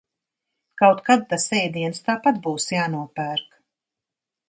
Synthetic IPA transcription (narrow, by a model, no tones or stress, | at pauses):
kawt̪kad̪̚t̪asɛjd̪iɛnst̪aːpat̪̚buːsjaːnuɔpæːɾk